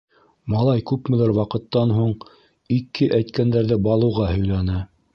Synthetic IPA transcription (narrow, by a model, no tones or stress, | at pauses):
mɑlˠɑjkʉpmɘ̆læɾwɑqɤ̆t̪ːɑnɦuɴ | ikːɘʔæjt̪kænd̪æɾðɘbɑlˠɤ̆wʁɑhɵ̆jlænɘ